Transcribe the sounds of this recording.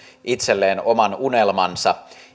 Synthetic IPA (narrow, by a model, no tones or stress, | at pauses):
ʔit̪selːeːnomɑnune̞lmɑnsɑ